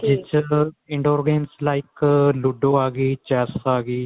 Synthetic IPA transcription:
d͡ʒɪt͡ʃɪ̃ɳɖoːɾɡẽːnslaːɪklʊɖoːaːɡiːt͡ʃɛːsaːɡiː

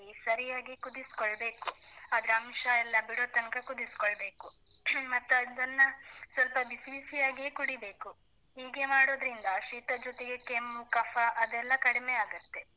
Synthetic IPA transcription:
isɐɾijaːɡikud̪iskoɭbe̞ːkuaːd̪ɾeɐmʃɐɛlːɐbiɽoːt̪ɐnkɐkud̪iskoɭbe̞ːkumɐt̪ːuɐd̪ɐnːɐsʋɐlpɐbisʋisijaːɡikuɽibe̞ːku | ɦiːɡe̞maːɽo̞ːd̪ɾind̪ɐʃiːt̪ɐd͡ʒɔt̪eɡe̞kemːukɐfɐʔɐd̪ɛlːɐkɐɽimeaːɡut̪ːe̞

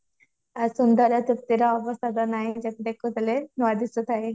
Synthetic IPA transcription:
aɾsund̪ɔɾat̪uk̚t̪iɾaɔbɔst̪ʰat̪ɔnajd͡ʒɛt̪ed̪ekʰːut̪ʰelenɔad̪isot̪ʰae

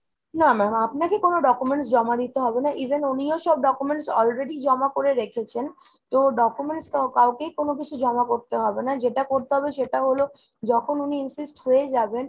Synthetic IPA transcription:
namɛmapnakekonoɖɔkumeɳʈs̬d͡ʑɔmad̪it̪eɦɔbenaʔibʱenunioʃɔb̚ɖɔkumeɳʈsɔlɾeɖid͡ʑɔmakoɾeɾekʰet͡ɕʰen | t̪oɖɔkumeɳʈskakaokejkonok̬it͡ɕʰud͡ʑɔmakoɾt̪eɦɔbenad͡ʑeʈakoɾt̪eɦɔbeʃeʈaɦolo | d͡ʑɔkʰonuniinsisʈɦoed͡ʑaben

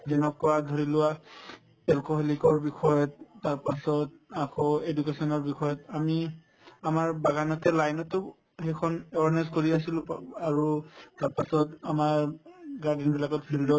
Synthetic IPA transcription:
zɛnɔk̚kɔwadʱɔɹilʊwa | ɛlkɔɦelikɔɹbixʰɔjɔtːaɹpasɔt | akɔedukesɔnɔɹbixʰɔjɔtami | amaɹbaɡanɔtɛlajnɔtʊ | hɛjkʰɔnɛwaɹnɛzkoɹias̬ilʊaɹutaɹpasɔtamaɹɡaɹdɛnbilakɔt̚bʰildɔ

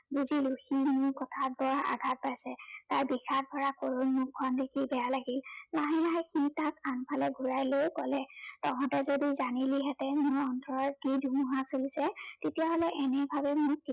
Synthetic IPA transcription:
buziluximʊɹkɔtʰat̚bɔɹa̰ɡʱat̚pajsɛtajbixʰat̚bʱɔɹakoɹonmʊkʰːɔndekʰibɛjalaɡillaɦilaɦaxitakanpʰalɛɡʱuɹajlojkɔlɛtɔkʰɔ̃tɛzodizaniliɦɛtɛmʊɹɔntʰɔɹkidʱumuɦasolisɛtetijaɦolɛʔɛnɛbʱabɛmʊɹi

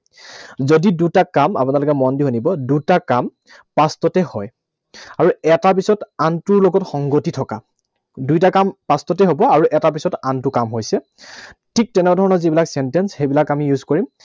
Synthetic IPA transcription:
zodidutakama̰punaɹlʊkɛmɔndiɦonibɔdutakam | pastɔtɛhɔj | aɹuɛtap̬isɔtantʊɹloɡɔtxɔŋɡotitʰɔka | dujtakampastɔtɛɦobɔaɹuʔɛtapisɔtantʊkamɦojsɛ | tʰik̚tɛnɛbadʱɔɹɔnɔɹzibilaksɛntɛnsxejbilakamijuzkɔɹim

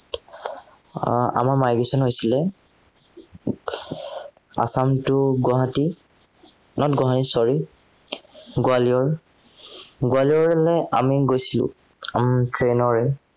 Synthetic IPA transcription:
a̰maɹmajɡesɔnɦojsilɛ | a̰samtʊɡɔɦati | nɔtɡɔɦatisɔɹi | ɡoaliɔɹ | ɡoaliɔɹɛlɛa̰miɡojsilʊ̰ | amtʰɹenɔɹɛ

